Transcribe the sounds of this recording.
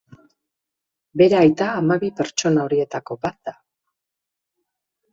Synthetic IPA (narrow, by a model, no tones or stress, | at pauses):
be̞ɾeajt̪aːmaβipe̞ɾt͡ʃo̞nao̞ɾie̞t̪ako̞bat̪̚d̪a